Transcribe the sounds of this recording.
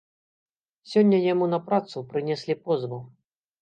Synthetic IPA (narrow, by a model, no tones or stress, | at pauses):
sʲɔnʲːɐjamunɐpɾat̪supɾɨnʲɛsʲlʲipɔzbɐ